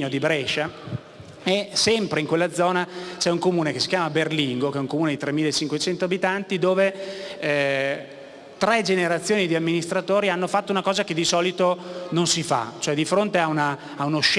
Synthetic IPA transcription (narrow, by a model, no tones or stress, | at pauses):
od̪ibɾɛʃa | esɛmpɾeiŋkwelːad̪zɔːnat͡ʃɛuŋkomuːnekesːi̥kjaːmaberliŋɡokeɛuŋkomuːned̪it̪ɾemːiːlːaet͡ʃiŋkwet͡ʃɛnt̪oabit̪ant̪id̪oːve | t̪ɾɛd͡ʒeneɾat̪sːjoːnid̪iamːinist̪ɾat̪oːɾianːofat̪ːounakɔːzaked̪ːisɔːlit̪ononsifa̰t͡ʃoɛd̪ifɾont̪eaunaː | unoʃ